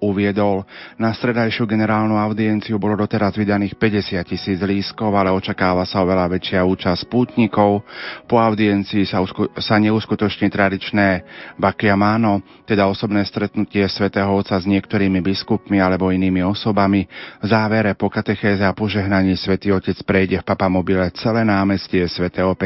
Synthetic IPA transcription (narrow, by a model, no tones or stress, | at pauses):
uʋɪɛd̪ɔlnast̪ɾɛd̪ajʃɪuɡɛnɛɾaːlnuaʊd̪iɛnt͡siubɔlɔd̪ɔt̪ɛɾazʋid̪aniːxpɛɟɛsɪat̪̚cisiːd͡zɦliːskɔʊalɛɔt͡ʃakaːʋasaɔʋɛlaʋɛt͡ʃɪauːt͡ʃaspuːt̪ɲikɔʊpɔaʊd̪iɛnt͡siːsausaɲɛuskut̪ɔt͡ʃɲiːt̪ɾad̪it͡ʃnɛːbakiamaːnɔ | t̪ɛd̪aɔsɔbnɛːst̪ɾɛt̪nucɪɛsʋɛt̪ɛːɦɔɔt̪sazɲɪɛkt̪ɔɾiːmibiskupmialɛbɔiniːmiɔsɔbamivzaːʋɛɾɛpɔkat̪ɛxɛːzɛapɔʒɛɦnaɲiːsʋɛt̪iːɔcɛt͡spɾɛjɟɛfpapamɔbilɛt͡sɛlɛːnaːmɛscɪɛsʋɛt̪ɛːɦɔpɛ